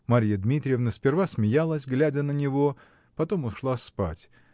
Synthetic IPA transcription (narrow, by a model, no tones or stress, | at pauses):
maɾʲjəd̪mʲit̪ɾʲɪjevnəspʲɪrvasmʲɪjalˠəsʲɡlʲædʲənənʲɪvo̞ | pɐt̪o̞mʊʂlˠaspa̰tʲ